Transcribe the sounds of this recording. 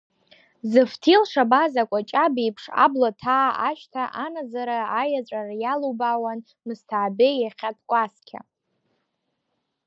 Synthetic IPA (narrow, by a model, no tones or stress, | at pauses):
zɨftʰilʂabazakʷʼat͡ʃʼabipʰʂa̰blotʰaːʔaʃtʰaʔanazaɾaajat͡ʃʷʼarajalobawan | mɨstʰaʕbejaχʲat̚ʰʼkʷʼaskʲʰa̰